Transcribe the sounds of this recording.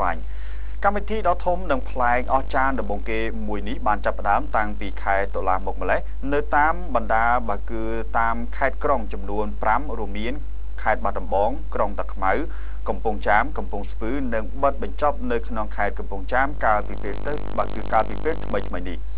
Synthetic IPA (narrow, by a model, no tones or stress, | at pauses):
ʋa̰ɲ | kamʋit̪ʰiːɗɑːt̪ʰumnɨŋpʰlaɛk̚ʔɑht͡ɕaːənɗɑmɓɑːŋkeː | muəjnihɓaːnt͡ɕapːə̆ɗaəmt̪aŋpiːkʰaɛt̪olaːmuk̚məleh | nɨwt̪aːmɓɑnɗaːɓaəkɨː | t̪aːmkʰaɛt̪̚kroŋt͡ɕɑmnuənpramruəmːiən | kʰaɛt̪̚ɓat̪̚ɗɑmɓɑːŋkroŋt̪ɨkʰmaw | kɑmpʊŋt͡ɕaːmkɑmpʊŋspɨːnɨŋɓət̪̚ɓɑɲt͡ɕɑp̚nɨwkʰnoŋkʰaɛt̪̚kɑmpʊŋt͡ɕaːmkaəlpipeːlt̪ɨ | ɓaːkɨːkaːlpiːpeːlt̪ʰməjt̪ʰməjnih